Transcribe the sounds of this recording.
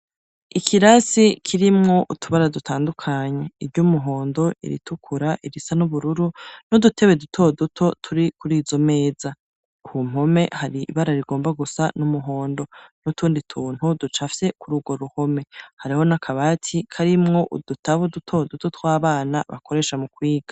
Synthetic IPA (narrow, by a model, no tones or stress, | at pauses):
ikʰiɾasikʰiɾimŋo̞ʔutuβaɾadutʰaːndukʰaːɲe̞iɾɟumuɦo̞ːndo̞ḭɾḭtukʰuɾaʔiɾisanuβuɾuɾunodutʰe̞βedutʰo̞dutʰo̞tʰuɾikuɾiːzo̞me̞ːz̥a | uhum̥ho̞me̞haɾḭːβaɾaɾiɡo̞ːmbaɡusanumuɦo̞ːndo̞nutʰuːnditʰuːn̥hudut͡ʃafse̞kuɾuɡwo̞ɾuho̞me̞haɾiho̞nakʰaβatʰikʰaɾimŋo̞ʔud̥utʰaβudutʰo̞dutotwaːβaːnaβa̰ko̞ɾe̞ːʃamukwiːɡ̥ḁ